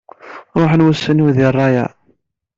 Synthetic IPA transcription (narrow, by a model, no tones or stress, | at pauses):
ɾˤoħənwəsːəniwðɪrˤːɑjæ̰